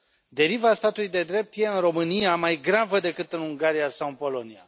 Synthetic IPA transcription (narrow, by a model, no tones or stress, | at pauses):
d̪e̞ɾivast̪at̪ulujd̪e̞d̪ɾe̞p̚t̪je̞ɨnro̞mɨnijamajɡɾavəd̪e̞kɨt̪ɨnuŋɡaɾijasawɨnpo̞lo̞nia̰